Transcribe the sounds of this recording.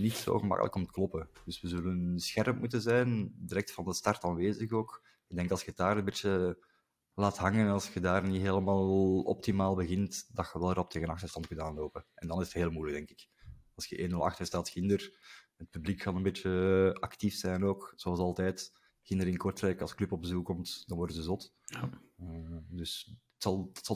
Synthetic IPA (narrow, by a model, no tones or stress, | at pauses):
nitso̰ːɣəmɑ̰kə̰lə̰kɔmt̪ə̥klɔpəd̥ʏswəzɵlənsxɛrmpmut̬əzɛːndiɾɛk̚tfɑndəstɑrtaːnʋeːzəɣoːk | ɪɡ̚dɛŋkɑlˠsxədaːɾənbeːt͡ʃə | laːtɦɑŋənnɑlˠsxədaːrniɦeːləmaːllˠɔ̰p̚timaːlˠbəɣɪntd̥ɑxəʋɛlˠəɾɔp̚tʰeːɣənɑxtərstɑnt̚kɵntaːnloːpənɛndɑnɪzətɦeːlˠmujləɡdɛŋkɪ̥kɑlˠsxəʔeːnɵlɑ̰xtəstaːtxɪndər | ət̚pyblikkɑnənbeːt͡ʃəɑktifsɛːnoːkz̥oɑlˠsɑlˠtɛːt | xɪndəɾɪnkɔrtrɛkɑlˠsklʏpɔb̚bəzukɔmtd̥ɑnwɔrdəzəzɔtː | dʏs | tsɑlˠtsɑ